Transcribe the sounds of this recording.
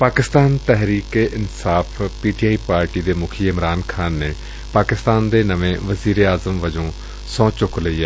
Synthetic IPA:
paːkɪst̪aːnt̪ɛɦɾiːkeːʔɪnsaːfʰpiːʈiaːiːpaːɾʈiːd̪eːmʊkʰiːɪmɾaːnkʰaːnːeː | paːkɪst̪aːnd̪eːnəʋẽːʋəziːɾeaːzəmʋəd͡ʒõː | sɔ̃ːt͡ʃʊkləiːɛː

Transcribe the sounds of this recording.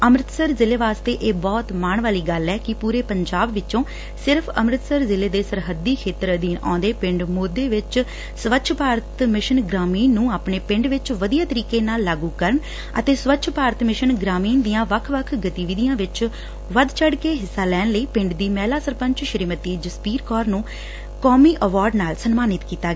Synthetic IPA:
əmɾɪt̪səɾzɪleːʋaːst̪eːʔeːbɔːt̪maːɳʋaːliːɡəlːɛːkɪpuːɾeːpəɲd͡ʒaːbʋɪt͡ʃõː | sɪɾpʰəmɾɪt̪səɾzɪleːd̪eːsəɾɦəd̪ːiːkʰeːt̪əɾəd̪iːnã̰ːnd̪eːpɪ̃ɳɖmoːd̪eːʋɪt͡ʃ | sʋətːt͡ʃʰpaːɾət̪mɪʃənɡɾaːmiːnːũːaːpɳeːpɪ̃ɳɖʋɪt͡ʃʋəd̪ijaːt̪əɾiːkeːnaːlːaːɡuːkəɾəɳ | ə̰t̪eːsʋətːt͡ʃʰpaːɾət̪mɪʃənɡɾaːmiːnd̪ijãːʋəkʰʋəkʰɡət̪iːʋɪd̪ɪjãːʋɪt͡ʃ | ʋəd̪t͡ʃʰəɽkeːɦɪsːaːlɛːnləiːpɪ̃ɳɖd̪iːmɛːlaːsəɾpə̃ɲt͡ʃʃəɾiːmət̪iːd͡ʒəspiːɾkɔːɾnũː | kɔːmiːʔəʋaːɾɖnaːlsənmaːnɪt̪kiːt̪aːɡɛː

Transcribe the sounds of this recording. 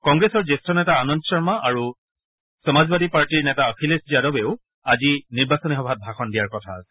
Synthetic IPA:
kɔŋɡɹesɔɹzestɔnɛtaːnɔndɔsɔɹmaʔaɹu | sɔmazbadipaɹtiɹnɛtaɔkʰilesziadɔbeʊ | aziniɹbasɔnixɔbʱat̚bʱaxɔndijaɹkɔtʰa̰ːsɛ̥

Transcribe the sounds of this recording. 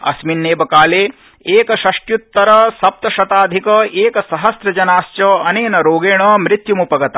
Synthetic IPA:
ɐ̰sminːeːbɐkaːleː | eːkɐʃɐʂʈjut̪ːɐɾɐsɐp̚t̪ɐʃɐt̪aːd̪ʱikɐʔeːkɐsɐɦɐsɾɐd͡ʒɐnaːʃt͡ʃɐɐneːnɐɾoːɡeːɳɐmɾɪt̪jumupɐɡɐt̪ɐ

